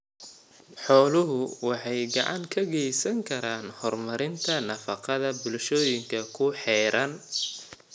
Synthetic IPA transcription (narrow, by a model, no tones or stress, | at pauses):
ħɔːlʊɦʊwɑħɑjɡɑʕɑ̰ŋkʰɐɣɛjsɐŋkʰɐɾaːnhɔrmɐɾɪnt̪ʰɐnɐfɑqɑðɐbʊlʃɔːjɪŋkʰɐkʰʊħɛːɾʔɐn